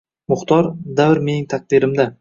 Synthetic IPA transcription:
mʊχt̪ʰɒɾd̪avɾme̞nɪŋt̪ʰaq̚d̪ɪɾɪmd̪a

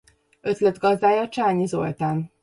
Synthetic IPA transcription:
ø̞t̪lɛd̪ɡɒzd̪aːjɒt͡ʃaːɲizo̞̰lt̪aːn

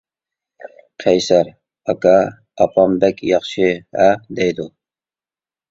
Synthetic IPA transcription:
qʰɛjsæɾ | ɑkɑ | ɑpʰɑmbɛkʲjɑχʃiɛd̪ɛjd̪u

